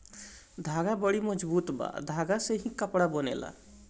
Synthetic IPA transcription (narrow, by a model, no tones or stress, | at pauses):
d̪ʱaɡabəɽiməd͡ʒbuːt̪ba̰d̪ʱaɡaseɦĩkəpɽabənḛla̰